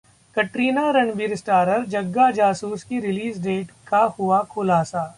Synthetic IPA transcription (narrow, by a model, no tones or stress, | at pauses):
kɐʈɾiːnaɾɐɳbiːɾsʈaːɾəɾd͡ʒɐɡːad͡ʒaːsuːskiɾɪliːzɖeːʈkahʊakʰʊlaːsa